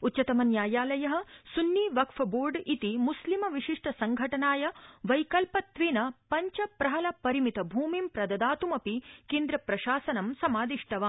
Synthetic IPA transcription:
utːt͡ʃɐt̪ɐmɐnjaːjaːlɐjɐɦɐ̆sunːiːʋɐkfɐboːɾɖit̪imuslimɐʋiʃiʂʈɐsɐŋɡʱɐʈɐnaːjɐʋɐjkɐlpɐt̪ʋeːnɐpɐɲt͡ʃɐpɾɐɦɐlɐpɐɾimit̪ɐbʱuːmimpɾɐd̪ɐd̪aːt̪umɐpikeːnd̪ɾɐpɾɐʃaːsɐnɐmsɐmaːd̪iʂʈɐʋa

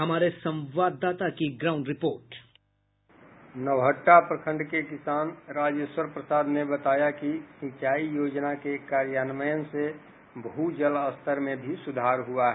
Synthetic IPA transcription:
ɦɐmaːɾesə̃mʋaːd̪ːaːt̪akiɡɾaːʊ̃ɳɖɾɪpoːɾʈ | nəwɦəʈːapɾəkʰə̃ɳɖkekɪsaːnɾaːd͡ʒjəswəɾpɾəsaːd̪nebət̪aːjakisĩt͡ʃaːijoːd͡ʒnakekaːɾjaːnməjənse | bɦud͡ʒələst̪ʰəɾmẽbʱisʊd̪ʱaːɾɦuaɦɛ

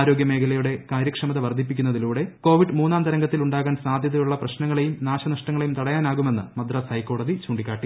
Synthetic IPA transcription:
aːɾo̞ːɡʲjɐme̞ːkʰɐlɐjuɽe̞kaːɾjɐkʂɐmɐðɐʋɐrd̪ʱipːikʲːunːɐðiluːɽe̞ko̞ːʋiɖɨmuːnːaːnt̪ɐɾɐŋɡɐt̪ːiluɳɖaːɣaːnsaːd̪ʱjɐðɐjuɭːɐprɐɕnɐŋːɐɭejumnaːɕɐnɐʂʈɐŋːɐɭejumt̪ɐɽɐjaːnaːɣume̞nːɨ̰mɐd̪rɐsɐjkːo̞ːɽɐðit͡ɕuːɳɖikʲːaːʈːi

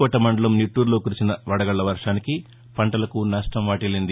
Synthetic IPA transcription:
ɔʈːɐmɐɳɖɐlɐmniʈːuːɾloːkuɾit͡ʃinɐʋɐɽɐɡɐɭːɐʋɐɾʂaːniki | pɐɳʈɐlɐkunaːʂʈɐmʋaːʈilind̪i

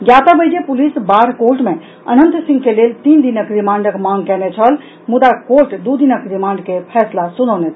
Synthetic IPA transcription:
ɡjat̪abəd͡ʒepulisbaɾkoɾʈmẽ | ə̰nənt̪sĩŋɡkelelt̪ind̪inəkɾimaːɳɖəkmãŋɡkɛnɛt͡ʃʰəl | mud̪akoɾʈd̪ud̪inəkɾimãːɳɖkepʰɛːslasunənɛt̪ʰ

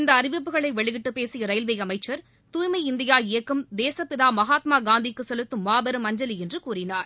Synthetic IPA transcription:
ɪnd̪ɐːrɪʋɪpːɯɣɐɭɐɪʋɛɭɪɣɪʈːɯpeːsɪjɐɾɐɪlʋɐjɐmɐɪt͡ʃːɐɾ | t̪uːjmɐɪɪnd̪ɪjaːɪjɐkːɯmd̪eːsɐpɪðaːmɐɣaːt̪maːɡaːnd̪ikːɯsɛlɯt̪ːɯmːaːbɐɾɯmɐɲd͡ʒɐliɛndrɯkuːrɪnaːɾ

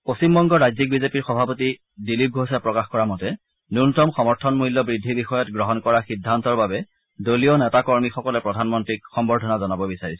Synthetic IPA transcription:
postimbɔŋɡɔɹazik̚bizepiɹxɔbʱapoti | dilip̚ɡʱosapɹɔkaxkɔɹamɔtɛ | nuntɔmxɔmɔɹtʰɔnmulːɔbɹidʱːibixɔjɔtɡɹɔɦɔnkɔɹaxidʱːantɔɹbabɛ | dolionɛtakɔɹmixɔkɔlɛpɹɔdʱanmɔntɹik̚xɔmbɔɹdʱɔnazɔnabɔbisaɹisɛ̥

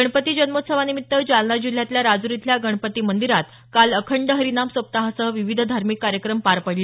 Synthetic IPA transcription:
əɳ̃pət̪iːd͡ʑənmot̪səʋanimit̪ːəd͡zalɳad͡ʑil̤jat̪ljaɾad͡zuɾit̪ʰljaɡəɳ̃pət̪iːmənd̪iɾat̪ | kaləkʰəɳɖəɦəɾinamsʋəp̚t̪aɦəsəʋiʋid̪ʱd̪ʱaɾmikːaɾjəkɾəmpaɾpəɽl

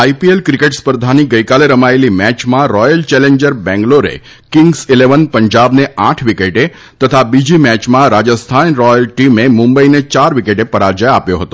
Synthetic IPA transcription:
aipielkɾikeʈspəɾd̪ʱaniɡəjkaleɾəmaelimɛt͡ʃmãɾɔjəlt͡ʃɛleɲd͡ʒəɾbɛ̃ŋɡloɾḛ | kɪŋɡsileʋənpəɲd͡ʒabneʔaʈʰʋikeʈe | t̪ət̪ʰabid͡ʒimɛt͡ʃmãɾad͡ʒəst̪ʰanɾɔjəlʈimemũmbəinet͡ʃaɾʋikeʈepəɾaɾd͡ʒəjapjoɦət̪o

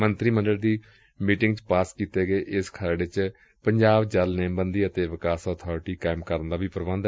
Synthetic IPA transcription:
mənt̪ɾiːmənɖəɽd̪iː | miːʈɪŋɡt͡ʃpaːskiːt̪eːɡeːʔɪskʰəɾɖɪt͡ʃ | pəɲd͡ʒaːbd͡ʒəlnẽːmbənd̪iːət̪eːʋɪkaːsɔːt̪ʰɔːɾʈiːkaːɪmkəɾənd̪aːbiːpəɾbə̃nd̪

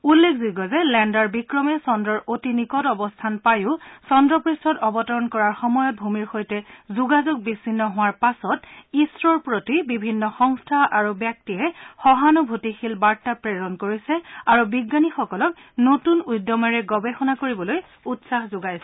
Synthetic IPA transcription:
ulːekʰzuɡɔzɛlɛndaɹbikɹɔmɛsɔndɹɔɹʔotinikɔtɔbɔstʰanpajʊ̃sɔndɹɔpɹistɔtɔbɔtɔɹɔnkɔɹaɹxɔmɔjɔt̚bʱumiɹxojtɛzuɡazoɡ̚bisinːɔɦʊwaɹpasɔtisɹɔɹpɹotibibʱinːɔxɔŋstʰaʔaɹubjak̚tiɛxɔɦanɔbʱutixilbaɹtapɹeɹɔnkoɹisɛaɹubiɡːanixɔkɔlɔk̚ | notunujdjɔmɔɹɛɡɔbexɔnakoɹibɔloj | utsaxzʊɡajsɛ

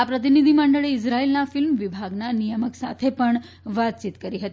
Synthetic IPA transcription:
apɾət̪̬inid̪ʱiməɳɖəɭeid͡zɾailnafilmʋibʱaɡnanijəməksa̰t̪ʰepəɳ | ʋat̪̚t͡ɕit̪kəɾiɦət̪i

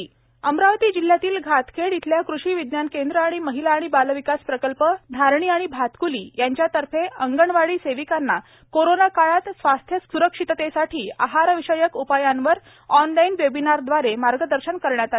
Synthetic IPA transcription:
əmɾaʋt̪iːd͡ʑil̤jat̪iːlɡʱat̪kʰeɽit̪ʰljakɾuʂiːʋid̪njankend̪ɾəaɽ̃iməɦilaːɽ̃ibalʋikaspɾəkəlpəd̪ʱaɾɳiːaɽ̃ibʱat̪kulḭːjaɲt͡ɕjat̪əɾfeəŋɡəɳʋaɭiːseʋikanːa | koɾonakaɭat̪sʋast̪ʰjəuɾəkʂit̪t̪esaʈʰiːa̰ɦaɾəʋiɕəjəkupajanʋəɾ | ɔnlainʋebinaɾd̪ʋaɾemaɾɡəd̪əɾɕənkəɾɳjat̪ae

